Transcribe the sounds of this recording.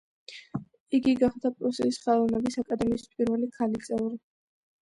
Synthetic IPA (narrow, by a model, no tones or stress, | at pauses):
iɡiɡaχd̪apʼɾusisχɛlˠɔvnɛbisakʼad̪ɛmiːspʼiɾvɛlikʰalit̪sʼɛvɾi